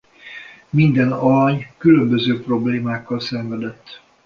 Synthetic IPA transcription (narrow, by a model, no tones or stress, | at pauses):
mind̪ɛnɒɾɒɲkylø̞mbøzøːpro̞bleːmaːkːɒlsɛɱvɛd̪ɛt̪ː